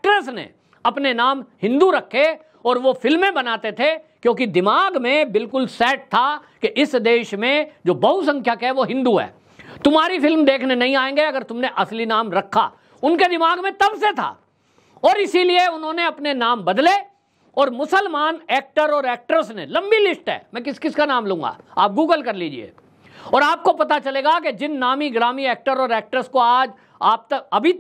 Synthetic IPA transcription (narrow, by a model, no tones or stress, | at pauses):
k̚ʈəɾsnḛ | ɐpnenaːmhɪ̃nd̪uɾɐkʰːe | ɔːɾʋofɪlmẽbɐnaːt̪et̪ʰekjõːk̬id̪ɪmaːɡmẽbɪlkʊlsɛːʈ̚t̪ʰa | keʔɪsd̪eːʃmẽd͡ʒoːbɐɦusɐ̃ŋkʰjakɛʋoɦɪ̃nd̪uɦɛ̰ː | t̪ʊmɦaːɾifɪlmd̪eːkʰnenɐɦĩaːẽːŋɡeɐɡəɾt̪ʊmneʔɐslinaːmɾɐkʰːa̰ː | ʊnked̪ɪmaːɡmẽt̪ɐbset̪ʰa̰ː | ɔːɾɪsilieʊnɦõneɐpnenaːmbɐd̪le | ɔːɾmʊsəlmaːnɛːk̚ʈəɾɔːɾɛːk̚ʈəɾsnḛ̃lɐ̃mbilɪsʈɦɛ̰ːmɛ̃ːkɪskɪskanaːmlũːŋɡa̰ːa̰ːp̚ɡuːɡəlkɐɾliːd͡ʒḭḛː | ɔːɾaːp̚kopɐt̪̬at͡ʃɐleːɡaked͡ʒɪnːaːmiɡɾaːmiɛːk̚ʈəɾɔːɾɛːk̚ʈəɾskoaːd͡ʒ | aːp̚t̪ɐbʱit̪